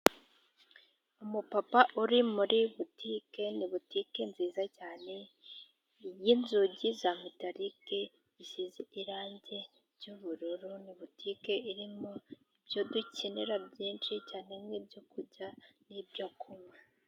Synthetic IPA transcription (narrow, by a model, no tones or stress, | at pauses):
umupapaʔuɾimuɾiβutiːke̞niβutikenziːzacaːne̞ | jinzuɟizamutaɾike̞ | isizeʔiɾaːɲɟe̞ | ɾɟuβuɾuɾuniβutʰikeiɾimoibjoduceneɾabɟiːnʃicaːnemwibɟokuɟanibjakʰumwe